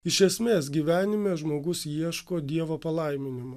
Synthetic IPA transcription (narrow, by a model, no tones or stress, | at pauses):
ɪʃʲɛsʲmʲeːs̬ɡʲiːʋʲæːnʲɪmʲeːʒmoːɡʊsjiɛʃkoːd̪ʲiɛʋoːpɐlˠɐɪmʲɪnʲɪmɐ